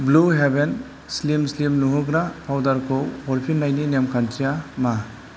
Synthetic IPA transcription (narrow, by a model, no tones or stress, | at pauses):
bluɦeben | slimslimnuɦɯɡɾapʰawdaɾkʰowɔɾpʰinːajninemkʰantʰijama